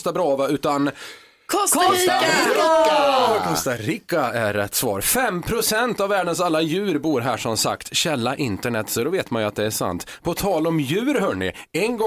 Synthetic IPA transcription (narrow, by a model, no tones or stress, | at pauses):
st̪abɾɑːvaʉ̟ːt̪an | kʰɔskʰː | kʰɔst̪aɾiːkːaæɾɛ̰t̪ːsvɑ̰ːɾfɛmːpʰɾʊsɛnt̪avːæːɖənsalːajʉ̟ːɾbuːɾɦæːʂɔmsa̰kt̪ɕɛlːaʔɪnt̪əɳɛt̪ːsɔd̪ɔveːt̪manjɵat̪̚d̪ɛæʂa̰nt̪pʰɔt̪ʰɑːlɔmjʉ̟ːɾɦœːɳɪ̰ɛnɡɔ